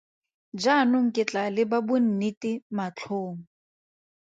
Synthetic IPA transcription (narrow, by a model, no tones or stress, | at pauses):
d͡ʒanʊŋ̩kʼɪt͡ɬʼalɪbabʊn̩nitɪmat͡ɬʰoːŋ̩